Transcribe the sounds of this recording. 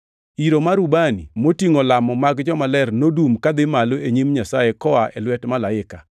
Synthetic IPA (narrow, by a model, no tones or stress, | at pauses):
iɾomaɾubanḭmotiŋolamɔmaɡd͡ʒɔmalɛrnodumkad̪ɪmaloeɲimɲasaekɔaʔɛlwɛtmalaɪka